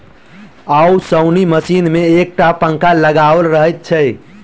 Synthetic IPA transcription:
ausəwniməsinmeːk̚ʈapə̃ŋkaləɡaʋəlɾəɦəjt̪̚t͡ʃʰɛj

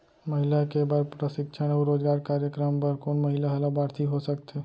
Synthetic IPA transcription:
məɦilakebaɾpɾəsɪkʃʰəɽ̃oɾoːd͡ʒɡaːɾkaːɾjəkɾəmpəɾkoːnməɦilaɦəlabaːɾt̪ʰiɦosəkt̪ʰe

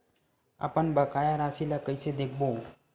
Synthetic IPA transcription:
a̰pənbəkajaɾasilakəjsed̪ekʰbo

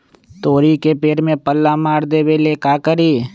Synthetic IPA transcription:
t̪oːɾikepeːɾmẽpəlːamaːɾd̪eːbeleːkaːkəɾiː

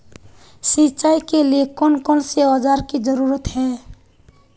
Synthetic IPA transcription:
sĩt͡ʃaːikelekɔnkɔlsead͡ʒaːɾkid͡ʒəɾuɾət̪ɦɛ̃

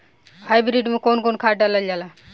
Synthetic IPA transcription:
hajbɾiɖmẽkonkoːnkʰaːʈaləld͡ʒaːla

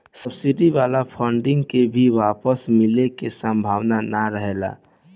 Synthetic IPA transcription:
səbsiɖiʋaːlapʰəɳɖɪ̃ŋɡkebʱiʋaːpəsmɪlekesə̃mbʱaːʋnanaɾəɦela̰

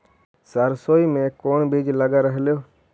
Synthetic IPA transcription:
səɾsoːiːmẽːkoːɳbʱid͡ʒləɡaːɾəɦljoː

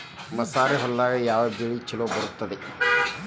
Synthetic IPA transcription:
mɐsaːɾeɦɐlːaːɡɐjaːʋɐbiɭit͡ʃiloːbɐɾut̪ːɐd̪e

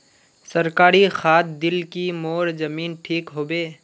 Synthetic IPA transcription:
sɐɾkaːɾixaːt̪̚ʰd̪ɪlkimoːɾd͡ʒɐmiːnʈʰiːkɦoːbeː

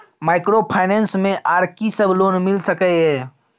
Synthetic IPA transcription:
maːɪkɾopʰaɪnɛ̃ːnsmẽʔaːɾkisəbʱloːnmɪlsəkəɦɛː

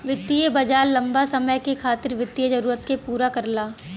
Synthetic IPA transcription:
ʋɪt̪ːijebɐd͡ʒaːɾlɐ̃mbasɐməjkekʰaːt̪ɪɾʋɪt̪ːijəd͡ʒɐɾuːɾət̪kepuːɾakɐɾlaː

